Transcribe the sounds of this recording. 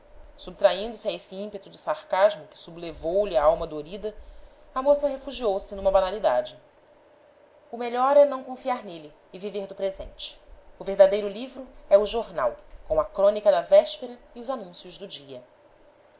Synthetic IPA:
sub̚t̪ɾaĩnd̪ʊsɪɐesiĩmpet̪ʊd͡ʒɪsaɾkaʒmʊkɪ̥sublevowliaawmɐd̪oɾid̪ɐɐmosɐɦefuʒiowsɪnũmɐbanalid̪a̰d͡ʒɪ | ʊmeʎɔɾɛnɐ̃w̃kõfiaɾnelɪːviveɾd̪ʊpɾezḛ̃nt͡ʃɪ̥ʊveɦd̪ad̪ejɾʊlivɾʊɛuʒoɾna̰wkõw̃ɐkɾõnikɐd̪ɐvɛʃpeɾɐiʊzanũsjʊʒd̪ʊd͡ʒiɐ

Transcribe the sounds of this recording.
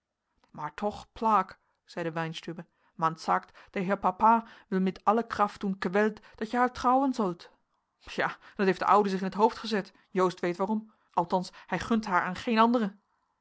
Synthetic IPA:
maːɹtʰɔχplaːk | z̥ɛjdəʋɛjnstybə | mantsaːktd̥əɦɪːɹpapaːʋɪlˠmɛtɑləkrɑft̚unkʋɛltd̥ɑtjəhaːɹtrɑwənzɵlˠt | jaːd̥ɑtɦejfdə̰ʔʌwdəzɪχɪnətɦowftχəzɛt | jowstʋejtʋaːrɔm | ʔɑlˠtɑnshɛjχɵntɦaːɹaːnχejnɑndərə

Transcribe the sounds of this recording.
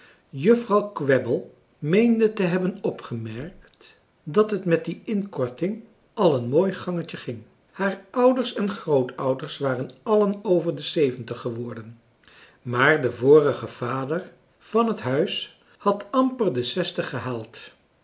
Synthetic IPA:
jɵfrɑwkʋɛbəlˠ | mejndətəɦɛbənɔpχəmɛɹkt | dɑtɦətmɛt̚diɪnkɔɹtɪŋ | ʔɑlˠənmoːjχɑŋəcəχɪŋ | haːɹʔʌwdəɹsɛnχrowtʰʌwdəɹsʋaːrənɑlənowvəɹdəsejvəntəχəʋɔɹdən | maːɹdəvʊːrəχəv̥aːdəɹ | v̥ɑnɦətɦœɥs | hɑtɑmpəɹdəsɛstəχəɦaːlˠt

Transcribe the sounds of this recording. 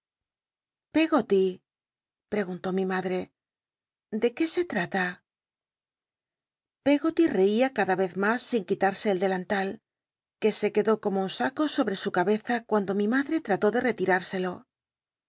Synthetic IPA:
pe̞ɣot̪i | pɾe̞ɣ̞unt̪o̞mimaðɾe̞ | d̪e̞ke̞se̞t̪ɾat̪a | pe̞ɣo̞t̪ire̞iakaðaβe̞θmasːiŋkit̪aɾse̞ːld̪e̞lant̪al | ke̞se̞ke̞ðo̞ko̞mo̞unsako̞so̞βɾe̞sukaβe̞θakwand̪o̞mimaðɾe̞t̪ɾat̪o̞ðe̞re̞t̪iɾaɾse̞lo̞

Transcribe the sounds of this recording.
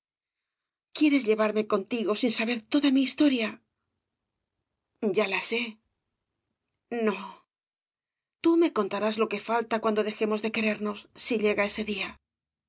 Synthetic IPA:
kje̞ɾe̞zʎe̞βaɾme̞ko̞nt̪iɣo̞sinsaβe̞ɾt̪o̞ðamiːst̪o̞ɾja | ɟ͡ʝalase̞ | no̞ | t̪ume̞ko̞nt̪aɾazlo̞ke̞falt̪akwand̪o̞ðe̞xe̞mo̞zðe̞ke̞ɾe̞ɾno̞sːiʎe̞ɣae̞se̞ðia

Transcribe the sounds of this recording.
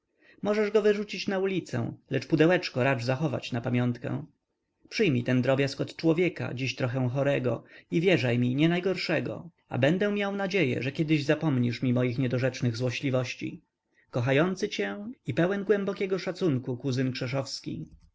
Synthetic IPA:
mɔʐɛʐɡɔvɘʐut͡ɕit͡ɕnaulʲit̪sɛ̰̃lɛt͡ʂpud̪ɛwɛt͡ʂkɔɾad͡ʐzaxɔva̰t͡ɕnapamʲjɔnt̪kɛ̰̃ | pʂɘjmʲit̪ɛnd̪ɾɔbʲjaskɔt̪t͡ʂwɔvʲjɛka̰d͡ʑiɕt̪ɾɔxɛw̃xɔɾɛɡɔ̰ivʲjɛʐajmʲiɲɛnajɡɔɾʂɛɡɔ̰ | a̰bɛnd̪ɛ̃mʲjawnad͡ʑejɛ̰ʐɛkʲɛd̪ɘʑzapɔmɲiʂmʲimɔjixɲɛd̪ɔʐɛt͡ʂnɘɣzwɔɕlʲivɔɕt͡ɕḭ | kɔxajɔnt̪sɘt͡ɕɛipɛwɛnɡwɛmbɔkʲɛɡɔʂat̪suŋkukuzɘnkʂɛʂɔfskʲḭ

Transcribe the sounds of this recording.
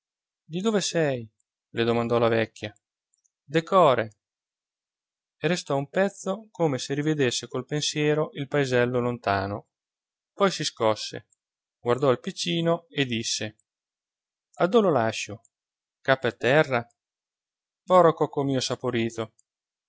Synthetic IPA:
d̪id̪oːvesɛj | led̪omand̪ɔlavɛkʲːja | d̪ekɔːɾe | eɾest̪ɔumpɛt̪sːokoːmeserived̪esːekolpensjɛːɾoʔilpaezɛlːolont̪aːno | pɔjsiskɔsːḛ | ɡward̪ɔilpit͡ʃːiːnoed̪isːe | ad̪ololaʃːo | kapːert̪ɛrːa | bɔɾokokomiːosapoɾiːt̪o

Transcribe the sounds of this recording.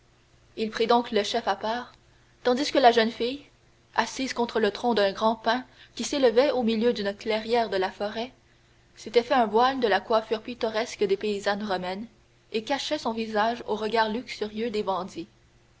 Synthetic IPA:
ilpχid̪ɔ̃kləʃɛfapaːʁ | t̪ɑ̃d̪iskəlaʒənfij | asiːz̥kɔ̃t̪χələt̪χɔ̃d̪ɛ̃ɡʁɑ̃pɛ̃kʲiseləvɛomiljød̪ynklɛʁjɛːʁd̪əlafɔʁɛ | set̪ɛfɛɛ̃bwald̪əlakwafyːʁpit̪ɔʁɛskd̪epeizanʁɔmɛn | ekaʃɛsɔ̃vizaʒoʁəɡaːʁlyksyʁjød̪ebɑ̃d̪i

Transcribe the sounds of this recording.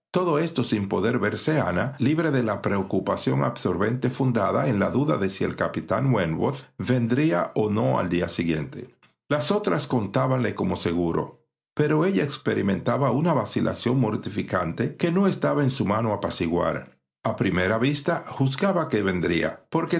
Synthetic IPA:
t̪o̞ðo̞e̞st̪o̞simpo̞ðe̞ɾβe̞ɾse̞analiβɾe̞ðe̞lapɾe̞okupasjo̞̰ŋa̰bso̞ɾβe̞nt̪e̞fund̪aðaenlaðuðaðe̞sie̞̰lkapit̪a̰ŋwenwoθbe̞nd̪ɾia̰ʔono̞a̰ld̪ia̰siɣje̞̰nt̪e̞̰ | laso̞t̪ɾasko̞nt̪aβanle̞ko̞mo̞se̞ɣuɾo̞̰ | pe̞ɾo̞e̞ʝaekspeɾimẽ̞nt̪aβaunaβasilʔa̰sjo̞ŋmo̞ɾt̪ifikant̪e̞ke̞no̞e̞st̪aβaensumano̞apasiɣwa̰ɾ | apɾime̞ɾaβist̪axuzɣɡaβakeβe̞nd̪ɾia̰po̞ɾke

